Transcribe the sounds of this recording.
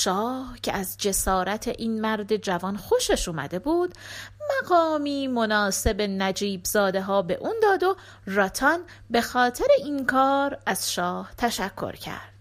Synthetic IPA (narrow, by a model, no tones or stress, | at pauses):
ʃɒːhcʰe̞̰æzd͡ʒe̞sɒːɾæt̪ʰeʔiːnmæɾd̪e̞d͡ʒævɒːnxoʃeʃuːmæ̰d̪e̞buːd̪mæɡɒːmiːmonɒːse̞be̞næd͡ʒiːbzɒːd̪e̞ɦɒːbe̞̰ʔuːnd̪ɒːd̪o̞ | rɒt̪ʰɒn | be̞xɒːt̪ʰe̞ɾeʔiːnkʰɒːɾæz̥ʃɒːht̪ʰæʃækʰːo̰ɾcʰæ̰ɾd̪̥